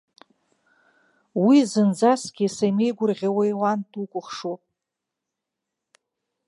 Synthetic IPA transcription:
wizɨnd͡zasɡʲisajmejɡʷʊrʁʲawajwantʰukʷʼʊχʂopʼ

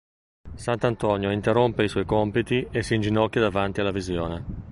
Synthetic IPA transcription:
sant̪ant̪ɔnjoint̪erompeisɔjkɔmpit̪iesind͡ʒinɔkːjad̪avant̪ialːavizjoːne

